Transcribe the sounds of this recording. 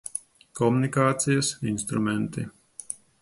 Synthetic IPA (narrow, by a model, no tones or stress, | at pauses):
kɔmunikaːt̪sijɐsinst̪ɾumɛnt̪ḭ